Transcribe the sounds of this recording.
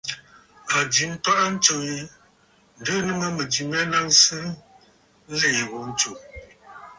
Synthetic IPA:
a˨di˨˦m̩˦pa˦ʔn̩˦t͡ʃo˨i˦ | n̩˨də˦nɨ˦ŋə˦mə˨di˨mɛ˦na˦ŋsɨ˦ | le˨wo˨˦n̩˦t͡ʃo˨

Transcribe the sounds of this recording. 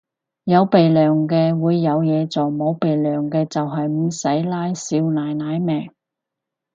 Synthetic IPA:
jɐ˨˧wpe˨jlœː˨˩ŋkɛː˧wuː˨˧jːɐ˨˧wjɛː˨˧t͡soː˨˩mo˨˧˥wpe˨jlœː˨˩ŋkɛː˧t͡sɐ˨wɦɐ˨jm̩ː˨˧˩sɐ˨˥jlaː˥jsiː˧wnaː˨jnaː˨˧˥jmɛː˨˩ŋ

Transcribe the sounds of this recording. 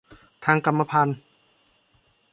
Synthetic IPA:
t̪ʰaː˧ŋka˧mːa˧pʰa˧˥˨n

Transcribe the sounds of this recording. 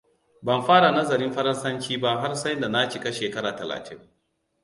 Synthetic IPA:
bɐ˨mɸaː˦ɽa˨nɐ˦zɐ˨ɾɪ˦mɸɐ˦ɾɐ˦nsɐ˦nt͡ʃiː˦ba˦ɦa˦rsɐ˦jnda˨na˦t͡ʃi˨ka˦ʃeː˨kɐ˦ɾaː˨tɐ˨la̰ː˨tʰɪ˦ŋ

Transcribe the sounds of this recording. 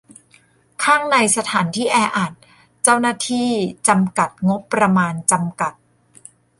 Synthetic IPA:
kʰaː˥˩ŋna˧jsa˧t̪ʰaː˩˦nt̪ʰiː˥˩ʔɛː˧ʔaː˨˩t̪̚ | t͡ɕa˥˩wnaː˥˩t̪ʰiː˥˩t͡ɕa˧mka˨˩t̪̚ŋo˦˥pːɾa˧maː˧nt͡ɕa˧mka˨˩t̪̚

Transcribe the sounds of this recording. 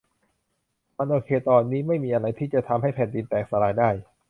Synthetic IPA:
ma˧nʔoː˧kʰeː˧t̪ɔː˧nːiː˦˥ma˥˩jmiː˧ʔa˧ɾa˧jt̪ʰiː˥˩t͡ɕa˨˩t̪ʰa˧mɦa˥˩jpʰɛː˧˦ndi˧nt̪ɛː˨˩k̚sa˧ɾaː˧jdaː˥˩j

